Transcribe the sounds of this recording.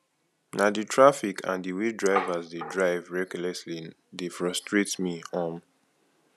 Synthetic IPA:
naditʰɹafikʰã̰ndiwidɹaɪvazdedɹaɪvɹɛɡlɛsli | defɹɔstɹetsmiɔ̃m

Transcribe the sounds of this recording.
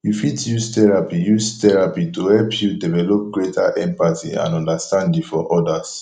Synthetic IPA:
ifitjustɛɹapijustɛɹapituhɛlpʰjudɛvɛlɔp̚ɡɹetʰaʔɛ̃mpatḭã̰nɔ̃ndastãndĩŋfɔ̰ʔɔdas

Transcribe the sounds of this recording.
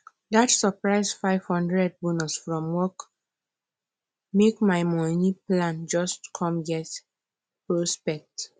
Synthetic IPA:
datsəpɹaɪsfaɪv̥hɔ̃ndɹɛd̚bunusfɹɔ̃mwɔk | mekmaɪmɔnĩplãnd͡ʒɔstkʰɔ̃mɡɛt | pɹɔspɛk̚t

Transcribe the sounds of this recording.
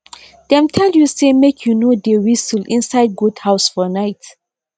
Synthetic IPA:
d̪̥ɛ̃mtʰɛljusemekʰjunodewisəlĩnsaɪd̚ɡudhaʊsfɔnaɪt

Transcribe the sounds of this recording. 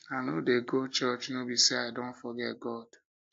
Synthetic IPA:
anodeɡot͡ʃɜt͡ʃnobiseaɪdõntfɔɡɛt̚ɡɔd̥

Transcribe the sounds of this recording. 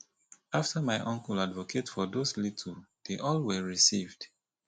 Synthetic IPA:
aftʰəmaɪʔɔ̃ŋkɔladvɔkʰetfɔdoslitʰld̥eʔɔlwɛɹisivd̥

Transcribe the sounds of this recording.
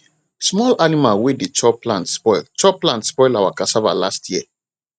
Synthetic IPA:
smɔlanimalwedet͡ʃɔplãntspɔɪlt͡ʃɔplãntspɔɪlawakasava̰lastʰjiɛ

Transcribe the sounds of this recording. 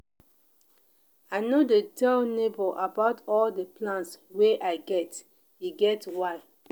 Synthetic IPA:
aɪnodetʰɛlneboʔabaʊtɔldəplãntsweʔaɪɡɛt | iɡɛtwaɪ

